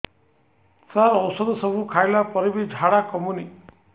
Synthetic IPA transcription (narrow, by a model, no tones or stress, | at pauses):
saɾɔwsɔd̪ɔsɔbʱukʰajlapɔɾibid͡ʒʱaɽakɔmuni